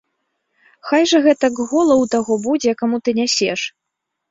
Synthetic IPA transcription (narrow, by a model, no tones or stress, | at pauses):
xajʐɐɣɛt̪ɐɡɣɔlˠɐwt̪aɣɔbud͡zʲɛkamut̪ɨnʲasʲɛʂ